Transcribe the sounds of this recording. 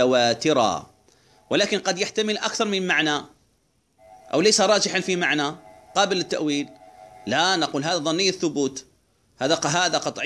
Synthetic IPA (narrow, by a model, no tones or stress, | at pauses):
awaːt̪ɪɾa̰ | wɪlaːkɪnqɑd̪jaħt̪amɪlʔa̰kθɑɾˤmɪnmaʕna | ʔa̰wlajsaɾˤɑːd͡ʒɪħanfimaʕnaqɑːbɪlɪt̪ːa̰ʔwiːlːanaquːlɦaːðaðˤɑnːɪjːaθːʊbuːt̪ | haːðaɦaːðaqɑt̪ˤʕ